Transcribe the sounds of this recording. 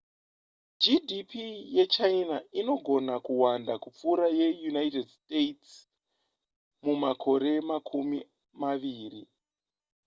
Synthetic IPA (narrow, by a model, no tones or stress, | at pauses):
d͡ʒidipije̞t͡ʃainaino̞ɡʱo̞nakuwandakup͡fuɾaje̞junaitedstets | mumakʰo̞ɾe̞makʰumi | maʋiːri